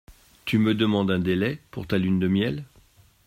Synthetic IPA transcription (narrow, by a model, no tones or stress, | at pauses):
t̪yməd̪əmɑ̃d̪ɛ̃d̪elɛpuʁt̪alynd̪əmjɛl